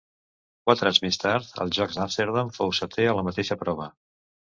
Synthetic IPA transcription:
kwat̪ɾazmest̪aɾt̪ə̰lˠʒɔkzamst̪eɾðaɱfowsət̪eələmət̪eʃəpɾɔβ̞ə

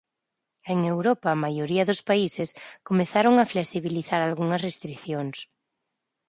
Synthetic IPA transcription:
eŋewɾopamajoɾiɐðʊspaiseskomeθaɾoŋafleksiβiliθaɾalɣuŋɐsrest̪ɾiθjoŋs

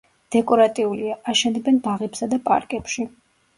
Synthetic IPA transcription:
d̪̥ɛkʼɔɾat̪ʼiuliaʔaʃɛnd̪ɛbɛnbaʁɛpsad̪apʼa̰ɾkʼɛpʃi

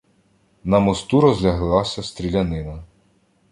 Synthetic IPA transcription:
nɐmɔst̪uɾɔzlʲɐɦlˠɑsʲɐst̪ɾʲilʲɐnɪnɐ

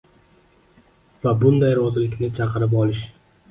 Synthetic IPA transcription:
vabʊnd̪ajɾɒzɪlɪkʲnɪt͡ʃʰɑqɨɾɪp̬ɒlˠɪʃ

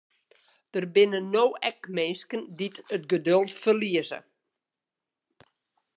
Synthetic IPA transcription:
d̥ərbɪnənowɛkmenskənditətɡədølˠtfərliəzə̰

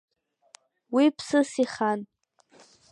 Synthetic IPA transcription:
wipʰsɨsiχan

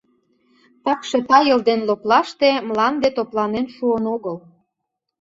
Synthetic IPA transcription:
t̪ɑkʃet̪ɑjəld̪enloplɑʃt̪emlɑnd̪et̪oplɑnenʃuənoɣəl

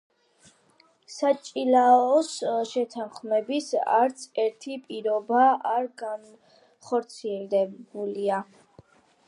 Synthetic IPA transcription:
sat͡ʃʼilaɔsʃɛt̪ʰanχmɛbisa̰ɾt̪sʰɛɾt̪ʰipʼiɾɔbaʔaɾɡan | χɔɾt̪sʰiɛld̪ɛbulia

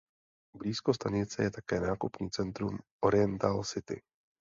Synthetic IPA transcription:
bliːsko̞st̪aɲɪt͡sɛjɛt̪akɛːnaːkupɲiːt͡sɛnt̪ɾumʔo̞ɾɪjɛnt̪alsɪt̪ɪ̰

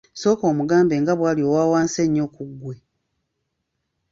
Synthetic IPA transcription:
so̞ːkoːmuɡaːmbeːŋɡaβwaːljo̞ːwaːwaːnseɲːo̞ːkuɡːwe̞

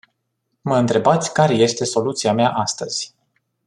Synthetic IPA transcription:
məɨnt̪ɾe̞bat̪sʲkaɾe̞je̞st̪e̞so̞lut̪siameaʔast̪əz̥ʲ

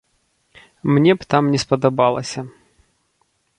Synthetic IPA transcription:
mnʲɛpt̪amnʲɛspɐd̪ɐbalˠɐsʲɐ

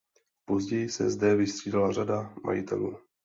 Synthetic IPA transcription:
po̞zɟɛjɪsɛ̰zdɛvɪst̪r̝̥iːdalar̝adamʔa̰jɪ̰t̪ʰɛ̰lṵː

